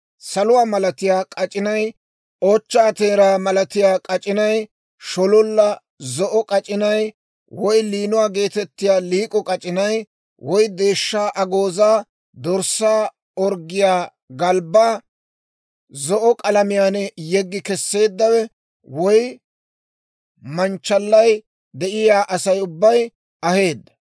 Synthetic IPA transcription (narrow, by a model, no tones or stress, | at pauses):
sɐlʊwaːmɐlɐt̪ɪjaːkʼɐt͡ʃʼɪnɐj | oːt͡ʃːaːt̪e̞ːɾaːmɐlɐt̪ɪjaːkʼɐt͡ʃʼɪnɐj | ʃɔlɔlːɐ | zɔʔɔkʼɐt͡ʃʼɪnɐj | wɔjliːnʊwaːɡe̞ːt̪ɛt̪ːɪjaːliːkʼɔkʼɐt͡ʃʼɪnɐj | wɔjd̪e̞ːʃːaːʔɐɡoːzaː | d̪ɔɾsaː | ɔɾɡɪjaː | ɡɐlbaː | zɔʔɔkʼɐlɐmɪjaːnɛjɛɡːɪkɛsːe̞ːd̪ːɐwɛ | wɔj | mɐnt͡ʃːɐlːɐj | d̪ɛʔɪjaːʔɐsɐjʊbːɐj | ɐhe̞ːd̪ːɐ̥